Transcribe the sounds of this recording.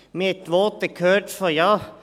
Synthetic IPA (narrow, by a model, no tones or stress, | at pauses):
meɛt̪ʋoːt̪əkʰøːʈfɔɾjɑː